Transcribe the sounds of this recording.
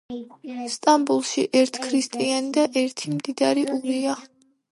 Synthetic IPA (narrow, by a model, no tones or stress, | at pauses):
st̪ʼambulˠʃiʔɛɾt̪ʰkʰɾist̪ʼianid̪aʔɛɾt̪ʰimd̪id̪aɾiʔuɾia